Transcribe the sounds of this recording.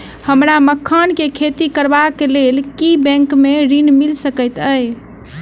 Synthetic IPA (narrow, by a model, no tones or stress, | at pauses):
həmɾaməkʰːankekʰet̪ikəɾbakelelkibɛ̃ŋkmeɾinmilsəkəjt̪əj